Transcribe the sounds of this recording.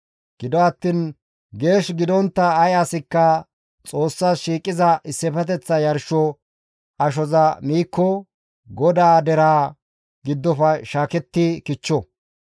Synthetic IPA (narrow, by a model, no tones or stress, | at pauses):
ɡ̥ɪd̪ɔɐt̪ːiːn | ɡe̞ːʃɡɪd̪ɔnt̪ːɐːjɐsɪkːɐ | t͡sʼo̞ːsːaːʃiːkʼːɪzɐʔɪsːɛpɛt̪̬ɛt͡sːɐjɐɾʃɔ | ɐʃ̬ɔzɐmiːkʰːɔ | ɡɔd̪aːd̪ɛɾaː | ɡɪd̪ːɔfɐʃaːkɛt̪ːɪkɪt͡ʃːɔ